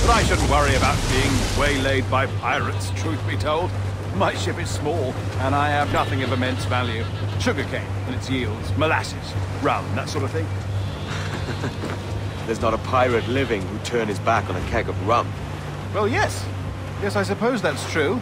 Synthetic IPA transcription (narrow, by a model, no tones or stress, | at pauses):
b̥ʌɾaɪʃʊdⁿn̩ʔwʌɹiɨbaʊt̚b̥iɪ̃ŋweɪleɪd̚baɪpʰaɪɹɨtstʰɹ̥ʉθʰəbitʰoʊlˠd̚ | maɪʃɪpɨz̥smɔlˠə̃ɾ̃aɪɨvnʌθɪ̃ŋʌvɨmɛ̃nsvælˠjʉʃʊɡə˞kʰẽɪ̃nɨ̃nɨtsjilˠdz̥məlæsɨ̰z̥ɹʌ̃mðætsɔɹɾʌv̥θɪ̃ŋ | ðə˞znəɾəpʰaɪɹɨtˡlɪvɪ̃ŋhʉtʰɜ̃˞nɨzbækn̩ɨkʰɛɡʌvɹʌ̃m | wɛlˠjɛs | jɛsaɪs̬ɨpʰoʊzðætstʰɹ̥ʉ